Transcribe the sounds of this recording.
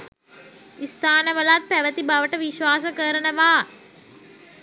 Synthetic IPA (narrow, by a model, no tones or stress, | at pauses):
ist̪ʰaːnəʋəlat̪̚pæʋət̪ibaʋəʈəʋiʃʋaːs̬əkəɾənəʋaː